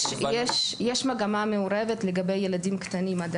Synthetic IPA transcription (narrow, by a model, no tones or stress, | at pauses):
jeʃjeʃmaɡamameoɾevetleɡabejːeladimkt̪animad